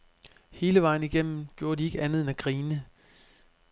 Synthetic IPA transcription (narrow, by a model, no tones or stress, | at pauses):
he̝ːləʋɑ̈ɪ̰n̩iɡ̥em̰m̩ɡ̥jo̝ːɐd̥ie̝ɡ̥əænð̞̩ˠenæɡ̥ʁiːnə